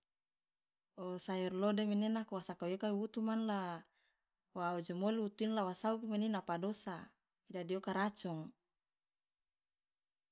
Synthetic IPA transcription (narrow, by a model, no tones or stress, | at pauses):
ɔsairlodemenenakuwasakawokaiwut̪umanla | waud͡ʒemoliut̪uinlawasaukumeninapadosa | idadiokaɾat͡ʃɔŋ